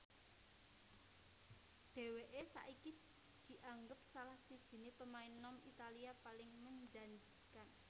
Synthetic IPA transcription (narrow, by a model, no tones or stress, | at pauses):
ɖ̥e̤weʔesa̰ʔiki | d̪̥i̤ʔaŋɡəp̚salahsid̥ʒ̥i̤nepəmainɔmit̪aliapalɪŋməɲd͡ʒaɲd͡ʒikan